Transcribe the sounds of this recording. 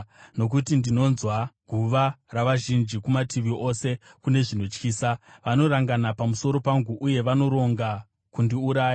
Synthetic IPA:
no̞k̬utindino̞nzwaɡʱuʋaraʋaʒind͡ʒikumatiʋio̞se̞kune̞ʐino̞t͡ʃkiːsaʋano̞ɾaŋɡanapamuso̞ɾo̞paŋɡuʔuje̞ʋano̞ɾo̞ŋɡa | kundiuɾaːja

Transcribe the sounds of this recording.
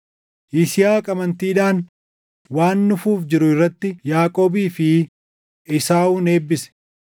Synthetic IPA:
ʔɪsɪjaːkʼɐmɐnt̪iːᶑaːn | waːnːʊfuːfd͡ʒɪɾʊɪrːɐt̪ːɪjaːkʼo̞ːbiːfɪ | ɪsaːuːne̞ːbːɪsɛ̥

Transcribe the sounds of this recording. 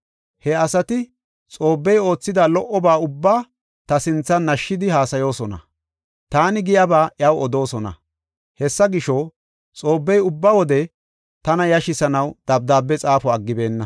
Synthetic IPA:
hɛɐsɐt̪ɪ | t͡sʼo̞ːbːɛjo̞ːt͡sːɪd̪ɐlɔʔːɔbaːʊbːaː | t̪ɐsɪnt͡sːɐnnːɐʃːɪd̪ɪɦaːsɐjo̞ːsɔnɐ̰ | t̪aːnɪɡɪjɐbaːʔjɐwɔd̪o̞ːsɔnɐ̰ | hɛsːɐɡɪʃɔ | t͡sʼo̞ːbːɛjʊbːawɔd̪ɛ | t̪ɐnɐjɐʃɪsɐnɐwd̪̥ɐb̚d̪aːbːɛt͡sʼaːfɔɐɡːɪbe̞ːnːɐ

